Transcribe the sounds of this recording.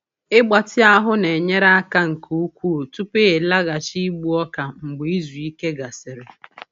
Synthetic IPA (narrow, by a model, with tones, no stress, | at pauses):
ɪ˦ɡ͡ba˨tɪ˦a˦ɦʊ˦ne˨ɲe˦ɾa˦a˦ka˦ŋ̩˨ku˦u˦kʷu˦˨tu˦pe˦˨la˦ɣa˨t͡ʃi˦ɡ͡bu˦ɔ˦ka˨ŋ͡m̩˨ɡ͡bi˦zu˨i˦ke˦ɡa˨sɪ˨ɾɪ˨